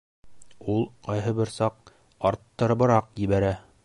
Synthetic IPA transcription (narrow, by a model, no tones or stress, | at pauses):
ulˠqɑjɦɤ̆bɘɾsɑq̚ | ɑɾt̪ːɤ̆ɾbɤ̆ɾɑqjɘ̆βæɾæ